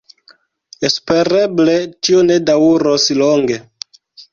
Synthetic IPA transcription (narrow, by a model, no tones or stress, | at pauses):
espeɾeblet͡ʃionedauɾosloŋɡe